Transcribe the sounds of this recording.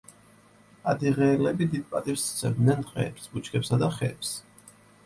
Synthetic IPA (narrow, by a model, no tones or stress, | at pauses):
ad̪iʁɛːlɛbid̪id̪̚pʼa̰t̪ʼivst̪sʰɛ̰md̪nɛnχʼɛ̰ːpsbut͡ʃʰkʰɛpsad̪aχɛ̰ːps